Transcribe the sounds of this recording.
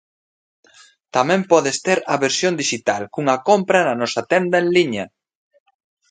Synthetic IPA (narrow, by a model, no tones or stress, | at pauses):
t̪ɐmɛ̃mpɔðest̪eɾɐβeɾsjond̪iʃit̪alkuŋɐkompɾɐnɐnɔsɐt̪ɛnd̪ɐẽnliɲɐ